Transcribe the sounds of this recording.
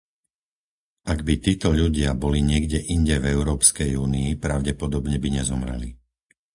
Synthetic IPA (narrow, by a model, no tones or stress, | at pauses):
ʔaɡbit̪iːt̪ɔʎuɟɪabɔliɲɪɛɡɟɛʔiɲɟɛvɛʊɾɔːpskɛjuːniːpɾaʊɟɛpɔd̪ɔbɲɛbiɲɛzɔmɾɛ̰lḭ